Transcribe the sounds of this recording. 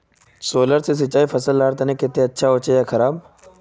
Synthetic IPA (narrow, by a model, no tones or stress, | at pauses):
soːləɾses̬ɪt͡ʃaːifɐsəlːaːɽt̪ɐnẽkɪt̪ːeɐtːʃʰaɦoːt͡ʃejakʰɐɾaːb